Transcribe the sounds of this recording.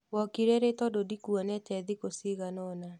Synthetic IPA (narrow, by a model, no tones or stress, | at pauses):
wɔkiɾɛɾetɔdodikuɔnɛtɛðikosiɣanɔna